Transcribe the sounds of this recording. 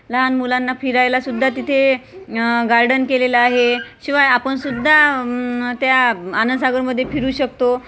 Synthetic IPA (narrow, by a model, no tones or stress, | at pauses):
ləɦanmulanːafiɾajlasud̪ʱːat̪it̪ʰe | ɡaɾɖənkeleləaɦeɕiʋajapəɳsud̪ʱːa | t̪jaanənsaɡəɾməd̪ʱːjefiɾuːɕəkt̪o